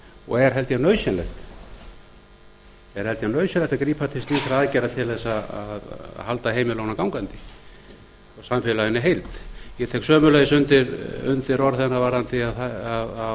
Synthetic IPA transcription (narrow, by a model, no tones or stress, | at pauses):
ɔ̰ɣɛɾ̥ɦɛlt̪janœːɥsɛnlɛxt̪ | ɛɾ̥hɛlt̪janœɥsjɛnɛht̪akɾiːpʰat̪ʰɪst̪niːθɪɾaðaːðcɛjɾat̪ʰɪlðɛsaaðhalt̪aheːjmɪlownakawŋkant̪ɪ̥ | ɔsamfɪlaɣɪnɪɦejlt̪jɛt̪ʰɛhksœːmʏlɛðɪsʏnt̪ɪɾʏ̰nt̪ɪɾɔɾθɛnːavaːɾant̪ɪaðaaða